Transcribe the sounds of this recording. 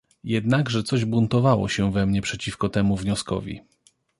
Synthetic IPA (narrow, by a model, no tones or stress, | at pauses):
jɛd̪naɡʐɛt̪sɔʑbunt̪ɔvawɔ̰ɕɛvɛmɲɛpʂɛt͡ɕifkɔt̪ɛmuvɲɔskɔ̰vʲḭ